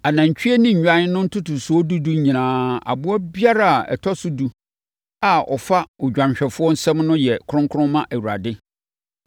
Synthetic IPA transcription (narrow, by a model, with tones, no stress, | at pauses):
a˨nã˨ɲ˨t͡ɕᶣi˦ɛ˦nĩ˦˨ɲᶣã˦nʊ̃˦n̩˦tʰʊ˦tʊ˨sʊ˨˦ɔ˦du˦du˦ɲĩ˨nãː˦a̰˨bʊ˦ɔ˦bi˦a˦ɾa˨a˨ɛ̰˨tʰɔ˦sʊ˦du˦ | a˨ɔ̰˨fa˦ʊ˨d͡ʑᶣã˨m˨ɕᶣɛ˨fʊ˦ɔ˦n̩˦sɛ̃˦mnʊ̃˦jɛ˨kʰʊ˦ɾʊ̃˦ŋkʰʊ˦ɾʊ̃˦mã˦ʔæ˨wu˨ɾa̰˨dɪ˦